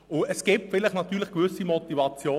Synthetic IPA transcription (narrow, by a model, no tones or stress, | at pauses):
ʊəsɡ̥iːp̚tfɪlɪχnɑt̪yːlɪχkʋʏsimɔtivɑt͡sjoː